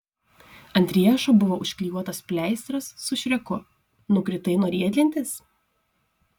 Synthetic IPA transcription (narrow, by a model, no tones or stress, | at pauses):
ɐnʲt̪ʲɾʲiɛʃoːbʊʋoːʔʊʃʲkʲlʲiːjuɔt̪ɐspʲlʲæˑɪst̪ɾɐsːʊʃʲɾʲɛkʊ | nʊkɾʲɪt̪ɐɪnoːɾʲiɛd̪ʲlʲɪnʲt̪ʲɪs